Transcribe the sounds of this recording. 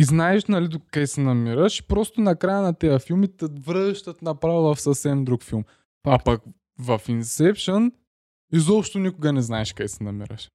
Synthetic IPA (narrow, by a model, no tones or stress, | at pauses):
iznaɛʃnɐlid̪okajsɛnɐmiɾəʃpɾɔst̪ʊnɐkɾajənɐt̪ɛjɐfilˠmit̪ɛvɾəʃt̪ət̪nɐpɾavovɐfsɐfsɛmd̪ɾukfilˠm | apɐk | vɐfinsɛpʃən | izɔpʃt̪onikʊɡɐnɛznaɛʃkajsɛnɐmḭɾə̰ʃ